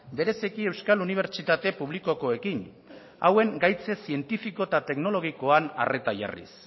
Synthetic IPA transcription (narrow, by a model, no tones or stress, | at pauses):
be̞ɾe̞sikie̞wskaluniβ̞e̞ɾt͡ʃit̪at̪e̞puβ̞liko̞ko̞e̞kin | a̰we̞ŋɡajt͡se̞sie̞nt̪ifiko̞t̪at̪e̞kno̞lo̞ɣ̞iko̞ana̰re̞t̪aʝa̰rḭs